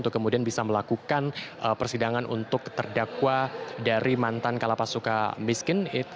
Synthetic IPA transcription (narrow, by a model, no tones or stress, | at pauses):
nt̪ʊkːəmudianbisaməlakukanʔəpərsidaŋanʔṵnt̪ʊkt̪ərdakwadaɾʔimant̪ankalapasuka̰miskɪnɪ